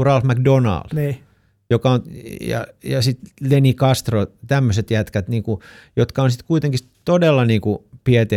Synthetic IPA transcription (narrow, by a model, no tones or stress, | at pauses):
urɑlfmækdonɑ̰ld̥niː | jokɑonjɑ̰jɑsit̪lenikɑst̪rot̪æmːøset̪jæt̪kæt̪niːŋkujot̪kɑonsit̪kuit̪eŋkis | t̪odelːɑniːŋkupiɛt̪e